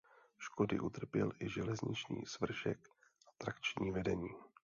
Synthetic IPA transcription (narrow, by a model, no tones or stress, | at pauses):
ʃko̞dɪʔut̪r̩pjɛlʔɪʒɛlɛzɲɪt͡ʃɲḭːsvr̩ʃɛ̰k | ʔat̪ɾakt͡ʃɲiːvɛdɛɲiː